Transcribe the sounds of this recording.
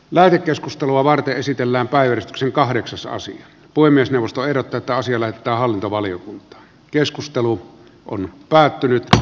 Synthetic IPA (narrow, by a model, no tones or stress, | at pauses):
læˑet̪ekːeskust̪eluɑʋɑrt̪eʔʔesit̪elːæːmpæˑijjærist̪y̥kseŋkɑhdeksɑsɑ̰sḭɑ | puhemːiesneˑuwʋˑost̪oehdot̪ːɑːet̪ːæɑsiɑlæhet̪et̪ːˑæːhɑlːint̪oʋɑlijokunt̪ˑɑ̥ː | keskust̪elu | o̰npæːt̪ːynyt̪